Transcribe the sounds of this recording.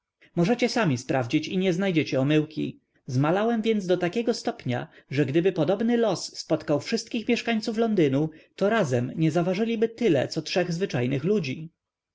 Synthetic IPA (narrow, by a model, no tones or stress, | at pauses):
mɔʐɛt͡ɕɛsamʲispɾʔavd͡ʑit͡ɕiɲɛznajd͡ʑɛt͡ɕɛɔmɘwkʲḭ | zmalawɛmvʲjɛnd̪sd̪ɔt̪akʲɛɡɔst̪ɔpɲa̰ʐɛɡd̪ɘbɘpɔd̪ɔbnɘlɔsːpɔt̪kawfʂɘst̪̚kʲixmʲjɛʂkaɲt̪suflɔnd̪ɘnut̪ɔɾazɛmɲɛzavaʐɘlʲibɘt̪ɘlɛ̰t̪sɔtʂɛɣzvɘt͡ʂajnɘxlud͡ʑi